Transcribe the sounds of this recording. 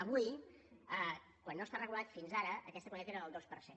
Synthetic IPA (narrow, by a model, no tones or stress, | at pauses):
əβuj | ə | kwanːoəst̪arəɣulat̪finzaɾəʔəkɛst̪əkwənt̪et̪eɾəðəlˠd̪ospəɾse